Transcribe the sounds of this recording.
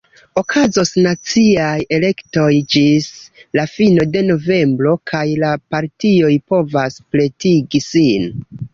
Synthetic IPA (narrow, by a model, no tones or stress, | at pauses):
o̞kʰazo̞snat͡siaje̞le̞kto̞jd͡ʒislafino̞de̞no̞ve̞mbɾo̞kʰajlapaɾtio̞jpo̞vasple̞tiɡisin